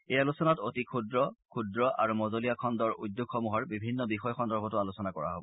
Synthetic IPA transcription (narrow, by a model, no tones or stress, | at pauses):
ejalusɔnatotikʰudɹɔkʰudɹɔʔa̰ɹumɔzolijakʰɔndɔɹujdːoɡxɔmuɦɔɹbibʱinːɔbixɔjɔxɔndɔɹbʱɔtʊalusɔnakɔɹa̰ɦo̰bɔ